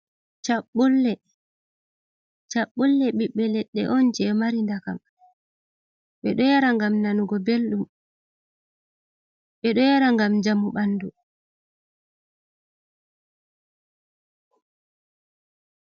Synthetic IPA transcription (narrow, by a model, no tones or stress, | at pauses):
t͡ʃaɓːɔlːɛ | t͡ʃaɓːulːɛɓiɓːɛlɛɗːɛ̰ʔɔnd͡ʒɛmaɾindakam | ɓɛɗɔjaɾaŋɡamnanuɡɔbelɗum | ɓɛɗɔjaɾaŋɡamd͡ʒamːuɓanːdu